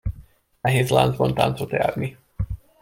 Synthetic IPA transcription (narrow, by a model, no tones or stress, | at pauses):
nɛɦeːzla̰ːnzbɒnt̪a̰nt̪sot̪ja̰ːrni